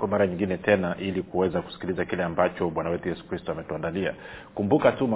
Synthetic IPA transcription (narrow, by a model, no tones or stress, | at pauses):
kɔmaɾaɲiŋɡinɛtɛnaʔilikuwɛzakusi̥kilizakilɛambat͡ʃɔɓwanawɛtujɛsu̥kɾistɔamɛtuandalia̰ | kumbukatuma